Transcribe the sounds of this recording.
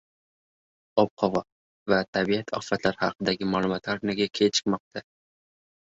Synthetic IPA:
ɒp̚qʰɒvɒ | vat̪ʰabiat̪ʰɒ̰fat̪ʰlaɾhɑqʰɨd̪aɡʲɪmalˠʊmɒt̪aɾknaɡʲakʲʰet͡ʃʰɨ̥qmɒq̚t̪ʰa

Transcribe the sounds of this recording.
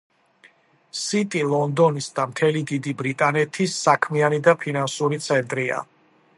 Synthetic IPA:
sit̪ʼilˠɔnd̪ɔnisd̪amt̪ʰɛlid̪id̪ibɾit̪ʼanɛt̪ʰisːakʰmianid̪apʰinansuɾit̪sʰɛnt̪ʼɾia̰

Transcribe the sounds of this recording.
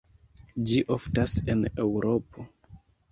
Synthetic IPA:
d͡ʒiʔoftase̞ne̞wɾo̞pʰo̞

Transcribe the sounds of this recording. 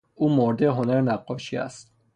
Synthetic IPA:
ʔuːmoɾd̪eɦonæɾnæqːɒːʃiːæ̰st̪̚

